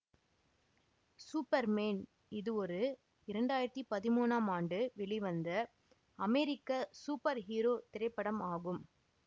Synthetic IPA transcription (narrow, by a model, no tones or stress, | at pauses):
suːpɐɾmeːn | ɪðɯɔɾɯ | ɪɾɐɳɖaːjɪɾɐt̪ːipɐðɪmuːnaːmaːɳɖɯʋɛɭɪʋɐnd̪ɐ | ɐmɛɾɪkːasuːpːɐɾɦiːɾoːt̪ɪɾɐɪpːɐɽɐmaːɣɯm